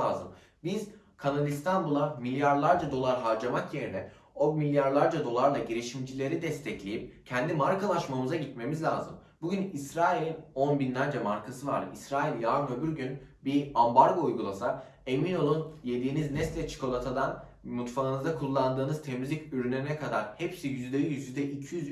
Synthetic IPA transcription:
aːzɯm | biz̥ | kʰanalʲist̪ʰanbulˠamilʲjaɾlˠaɾd͡ʒad̪o̞lˠaɾɦaɾd͡ʒamakje̞ɾinɛ | o̞milʲjaɾlˠaɾd͡ʒad̪o̞lˠaɾlˠaɟiɾiʃimd͡ʒilʲe̞ɾid̪ɛst̪ʰɛclʲejip̚cʰɛnd̪imaɾkalˠaʃmamɯzaɟit̪me̞mizlʲaːzɯmbuɟynisɾaːilʲino̞nbind̪ænd͡ʒɛmaɾkʰasɯva̰ɾd̪ɯ̰isɾaːilʲjaːnøbyɾɟynbiambaɾɡo̞ujɡulˠasa | e̞mino̞lˠunje̞d̪iːniznɛslʲɛt͡ʃʰi̥ko̞lˠat̪ʰad̪an | mut̪faɯnɯzd̪akʰulˠːand̪ɯːnɯz̥t̪ʰe̞mizlʲicyɾynɛɾinɛkʰad̪aɾhepsijyzd̪ebijyzd̪ɛʔicʰijyz

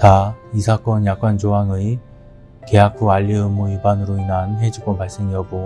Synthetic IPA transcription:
taisʰak͈ʌnjak̚k͈and͡ʑoaŋɯi | ke̞akʰuaʎːiɯmːuibanɯɾoinanɦe̞d͡ʑuɡomaɭs͈e̞ŋiʌɡo

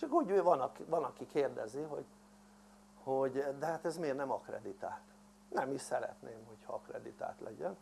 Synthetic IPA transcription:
t͡ʃɒkuːɟvɒnɒkvɒnɒkikeːrd̪ɛziɦo̞̰ɟ | hoɟd̪ɛɦat̪ɛzmeːrnɛmɒkrɛ̰d̪it̪aːlt̪ | nɛmiʃsɛɾɛ̰t̪nʔeːmho̞cʰhɒɒkrɛd̪it̪a̰ːlt̪lʔɛ̰ɟɛn

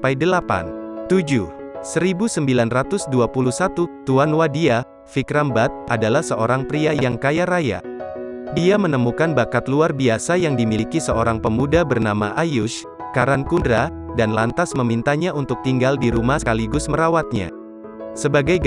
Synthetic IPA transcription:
pajdəlapa̰nt̪ud͡ʒusəɾibusəmbilanrat̪ʊsduapulusat̪ut̪uanwadia | fikɾambat̪̚ʔadalahsəʔoɾaŋpɾiajaaŋkajaɾaja̰ | diamənəmukanbakat̪luarbiasajaŋdimilikisəoɾaŋpəmudabərnama̰ʔajʊʃ | kaɾankundɾa | danlant̪asməmint̪aɲaunt̪ʊk̚t̪iŋɡaldiɾumasə̥kaliɡʊsməɾawat̪̚ɲa̰ | səbaɡaj

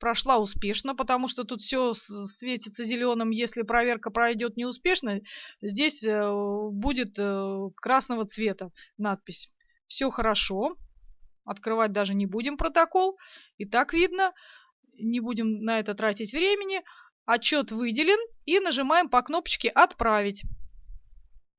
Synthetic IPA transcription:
pɾɐʂlˠaʊspʲe̞ʂnəpət̪ɐmuʂt̪ot̪ut̪fsʲossvʲet̬ʲɪt̪səzʲɪlʲo̞nəmjesʲlʲɪpɾɐvʲerkəpɾɐjdʲo̞t̪nʲɪʊspʲe̞ʂnəzʲdʲesʲ | budʲɪt̪kɾasnəvət̪svʲe̞t̪ənat̪̚pʲɪsʲ | fsʲoxəɾɐʂo̞ | ɐt̪kɾɨvat̚ʲd̪aʐɨnʲɪbudʲɪmpɾət̪ɐko̞lˠit̪akvʲid̪nə | nʲɪbudʲɪmnɐɛt̪ət̪ɾatʲɪtʲvɾʲemʲɪnʲɪ | ɐt͡ɕːo̞t̪vɨdʲɪlʲɪninəʐɨmajɪmpɐkno̞pə̥t͡ɕkʲɪʔɐt̪pɾavʲɪtʲ

